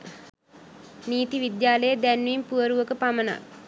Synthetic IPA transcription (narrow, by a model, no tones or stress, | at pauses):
niːt̪iʋid̪jaːləjəd̪ænʋimpuəɾuʋəkəpaməna̰